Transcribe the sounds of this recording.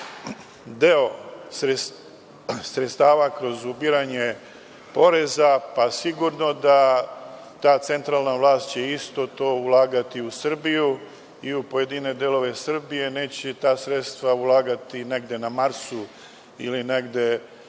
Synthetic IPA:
d̪e̞o̞ɾe | sɾet̪st̪aːʋakɾo̞zubiɾaɲe̞ | po̞ɾe̞zapasiɡuɾno̞d̪a | t̪aːt̪se̞nt̪ɾaːlˠnaʋlaːst̪t͡ɕeist̪o̞t̪o̞ːulˠaːɡat̪iusr̩biju | iupoje̞d̪ine̞d̪elo̞ʋe̞sr̩bije̞ne̞ːt͡ɕet̪aːsɾet̪st̪ʋaulˠaːɡat̪ine̞ɡd̪e̞namaɾsu | ḭlineɡd̪e̞

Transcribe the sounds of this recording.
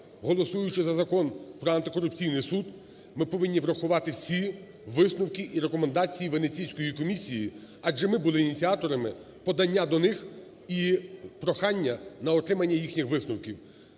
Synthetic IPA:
ɦɔlˠɔsujʊt͡ʃɪzɐzɐkɔnpɾɔɐnt̪ɪkɔɾʊp̚t͡sʲijnɪjsud̪ | mɪpɔʋɪnʲːiʋɾɐxʊʋɑt̪ɪwsʲi | ʋɪsnʊwkiʔiɾekɔmend̪ɑt͡sʲijiʋenet͡sʲijsʲkɔjikɔmʲisʲiji | ɑd͡ʒɛmɪbʊlˠɪːnʲit͡sʲiat̪ɔɾɐmɪ | pɔd̪ɐnʲːad̪ɔnɪx | ipɾɔxɑnʲːɐnɐɔt̪ɾɪmɐnʲːɐjixnʲixʋɪsnʊwkʲiw

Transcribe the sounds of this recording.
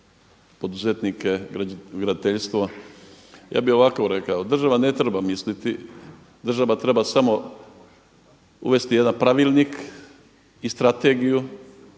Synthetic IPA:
po̞d̪uzet̪nike̞ɡɾad̪at̪eʎst̪ʋo | ja̰ːbio̞ʋakouɾe̞kaod̪r̩ʒaʋane̞t̪ɾebamislit̪i | d̪r̩ʒaʋat̪ɾebasamo̞ | ṵʋe̞st̪ijed̪anpɾaʋilnik | ist̪ɾat̪e̞ɡiju

